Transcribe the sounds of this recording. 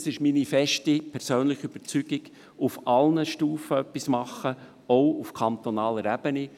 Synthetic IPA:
sɪʃminifɛʃtipʰɛɾsøːnlɪχyb̥əɾt͡syɡ̥iɡ | ufʔɑlnəʃtuːfəœpːismɑχə | oʊufkʰɑnt̪ɔnɑːləɾæb̥əni

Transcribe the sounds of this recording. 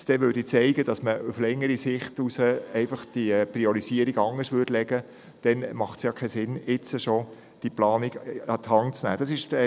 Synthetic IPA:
d̥ɛʋʏːɾdit͡sɛɪɡəd̥ɑsməuflɛŋːəɾisɪχtusəɛɪfɑχd̥ipriɔɾisiəɾiɡɑŋəsʋʏdlɛɡə | d̥ɛnmɑχtsjɑːkʰɛsɪnɪt͡səʃo | d̥iplɑːniɡɑt̪hɑŋt͡snæ̰ːd̥ɑsɪʃ

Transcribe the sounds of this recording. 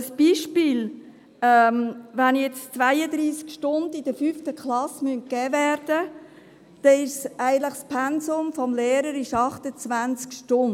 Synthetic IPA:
əsb̥iːʃpiːl | ɛmvanjɛt͡st͡sʋæɪəd̪ɾiːskʃtʊndɪd̥əfyftəkχlɑsmynkɛːvæːɾd̥ə | d̥ɛɪʃsæɪɡəntləχspʰɛnsʊmfɔmleːɾəɾɪʃɑχtət͡svænt͡skʃtʊn

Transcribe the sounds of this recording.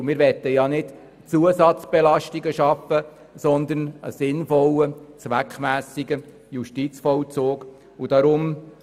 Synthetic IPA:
mɪːɾʋɛt̪ːəjɑnɪt | t͡suəsɑtt͡sb̥ɛlɑʃtiɡəʃɑfə | sɔnd̪ənə̰sɪnfɔlət͡sʋækχmæːsiɡə | juʃtit͡sfɔlt͡soːɡ | ud̥ɑɾʊm

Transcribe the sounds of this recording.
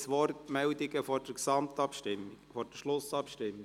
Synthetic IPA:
sʋɔrtmɛldɪɡəfɔd̥əɾksɑmtɑpʃtɪmɪfɔɾd̥əʃlʊsɑpʃtɪmːɪ

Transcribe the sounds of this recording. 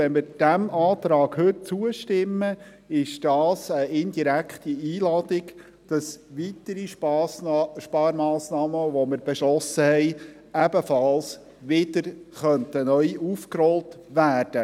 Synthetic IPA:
ɛnmɪɾd̥æmʔɑːt̪ɾɑːɡ̥hɵt̚t͡suəʃtɪmːə | ɪʃd̥ɑːsəɪnd̥iɾækχtiiːlɑːd̪ɪɡ | d̥ɑsʋit̪əɾi | ʃpɑːɾmɑːsnɑːməʋomɪɾb̥ɛʃlɔsəhɛɪ | æbəfɑls | ʋɪdəɾχœntənœʏufkɾɔltʋæːrd̥ə

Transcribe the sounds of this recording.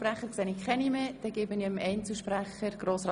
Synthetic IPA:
præχəɾkseːnɪkʰɛnimeːd̥ɛɡ̥eːbəniəmɛɪnt͡səʃpræχəɾɡ̥roːsrɑ

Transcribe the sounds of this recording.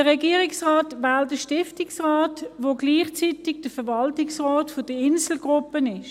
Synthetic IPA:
dəʁɛɡiəʁɪksʁaːtʋɛːltdəʃtɪftɪksʁaːtʋoːɡliːχt͡sitɪɡd̥əfɛʋɑltɪksʁɔːtfʊd̥əɪnsl̩ɡʁʊpːənɪʃ

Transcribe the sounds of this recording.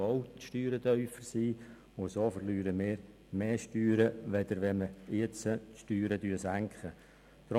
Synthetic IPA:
owtʃtyːɾədœʏfəɾsiː | ʊsoːfəɾlyːɾəmɪːɾ | meːʃtyːɾəʋɛd̪̥əɾʋɛnməɪt͡səʃtyːɾədyːsæŋkχə | t̪ɾo

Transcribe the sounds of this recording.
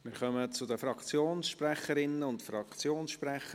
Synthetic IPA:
mɪːɾχœmət͡sʊd̪əfɾɑkt͡sjoːnsʃprɛχəɾɪnːəʊntfrɑkt͡sjoːnsʃprɛχə

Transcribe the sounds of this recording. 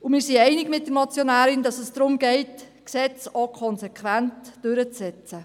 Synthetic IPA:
ʊmɪːɾsiɛɪnɪɡmɪt̚dəɾmɑt͡sjonæːɾɪndɑsəsd̥ɾʊmɡ̥ɛɪt | ksɛt͡sokʰɔnsekʰʋæntd̥øɾət͡sɛt͡sə

